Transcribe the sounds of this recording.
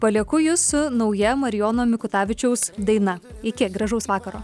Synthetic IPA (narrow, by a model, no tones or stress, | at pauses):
pɐlʲɛkʊjʊsʊnɒʊjɛmɐɾʲɪjoːnoːmʲɪkʊt̪ɑːʋʲɪt͡ʃʲɛʊsd̪ɐɪnɐɪkʲɪɡɾɐʒɐʊsʋɑːkɐɾoː